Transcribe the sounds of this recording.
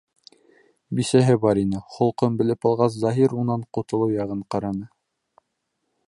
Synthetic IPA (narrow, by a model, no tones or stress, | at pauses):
bisæɦɘbɑɾinɘχŏlˠqombɘ̆lɘpɑlˠʁɑs̬zɑɦiɾunɑɴqŏt̪ŏlˠɤwjɑʁɤɴqɑɾɑnɤ